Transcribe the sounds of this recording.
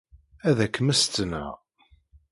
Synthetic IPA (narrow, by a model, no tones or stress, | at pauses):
æðækːəmæst̪ːnə̰ʁ